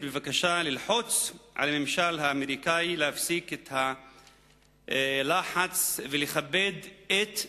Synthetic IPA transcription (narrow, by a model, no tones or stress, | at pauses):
bevakaʃalilħot͡sʕa̰lamemʃalhaːmeɾikailehafsiket̪ha | laħat͡sveleχabːed̪et̪